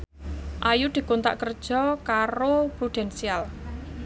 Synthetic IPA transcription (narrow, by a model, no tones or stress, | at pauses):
ʔajud̪̥i̤kont̪a̰ʔkərd̥ʒ̥ɔkaɾopɾud̪̥ɛnsial